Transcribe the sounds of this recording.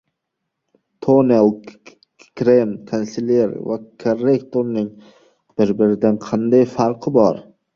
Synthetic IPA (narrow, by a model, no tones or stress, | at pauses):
t̪ʰonelˠ | kɾemkʰonseleɾva̰kʰoɾːekt̪ʰoɾnɪŋ | b̥ɪɾbɪɾɪd̪anqʰɑnd̪ajfaɾqʰɨbɒɾ